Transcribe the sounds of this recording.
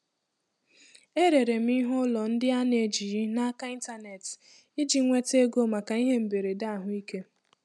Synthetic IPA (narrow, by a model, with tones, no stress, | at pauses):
e˦ɾe˨ɾe˨m̩˦i˦ɦʊ˦lɔ˨n̩˦dɪ˦a˦ne˨d͡ʒi˨ɾi˦na˦ka˦i˦n˦ta˦ne˨t | i˦d͡ʒi˨ŋʷe˦te˦ɡo˦ma˨ka˨i˦ɦe˦m̩˨be˨ɾe˨da˦a˦˨ɦʊ˦i˦ke˦